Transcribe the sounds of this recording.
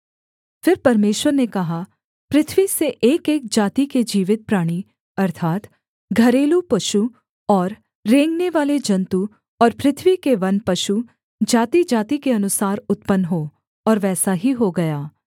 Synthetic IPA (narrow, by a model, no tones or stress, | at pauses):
fɪɾpɐɾmeːʃwəɾnekɐɦa | pɾɪt̪ʰʋiseʔeːkeːk̚d͡ʒaːt̪iked͡ʒiːʋɪt̪̚pɾaːɽ̃i | ɐɾt̪ʰaːt̪ | ɡʱɐɾeːlupɐʃu | ɔːɾː | ẽːŋɡneʋaːled͡ʒɐ̃nt̪u | ɔːɾpɾɪt̪ʰʋikeʋɐnpɐʃu | d͡ʒaːt̪id͡ʒaːt̪ikeɐnʊsaːɾʊt̪pənːɦoː | ɔːɾʋɛːsaɦiɦoɡɐjaː